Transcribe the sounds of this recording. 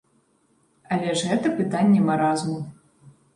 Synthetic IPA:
ɐlʲɛʐɣɛt̪ɐpɨt̪anʲːɛmaɾazmu

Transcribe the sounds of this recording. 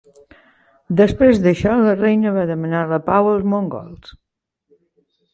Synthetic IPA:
d̪əspɾezðəʃɔlərɛjnəβaðəmənaləpawəlˠzmoŋɡɔ̰lˠs

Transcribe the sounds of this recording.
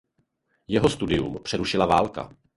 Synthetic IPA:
jɛɦo̞st̪udɪjṵmpr̝̥ɛɾuʃɪlavaːlka̰

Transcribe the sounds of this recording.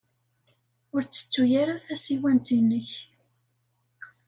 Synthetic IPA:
ʊɾt͡sːə̥t͡sːujaɾaðθæsiwænt̪inːəç

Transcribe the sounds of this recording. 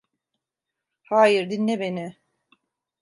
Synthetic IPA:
haːjiɾd̪inːɛbenɪ

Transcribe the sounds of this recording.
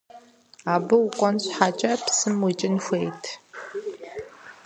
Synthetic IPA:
aːbɨwʊkʷʼɔnɕħaːt͡ʃʼɐpsɨmwit͡ʃʼɪnxʷejtʰ

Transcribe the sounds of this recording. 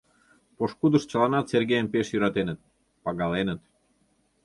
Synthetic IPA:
poʃkud̪əʃt͡ɕɑlɑnɑt̪serɡejənpeʃjyɾɑt̪enət̪̚ | pɑɣɑlenət̪

